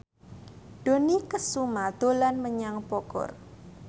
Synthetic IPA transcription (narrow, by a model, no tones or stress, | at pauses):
ɖ̥o̤nikəsumad̪̥o̤lanməɲaŋpɔkɔ̰r